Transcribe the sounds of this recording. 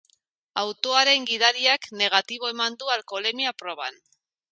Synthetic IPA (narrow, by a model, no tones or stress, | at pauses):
awt̪o̞aɾe̞ŋɡið̞aɾiakne̞ɣ̞at̪iβ̞o̞e̞mand̪ualko̞le̞miapɾo̞β̞a̰n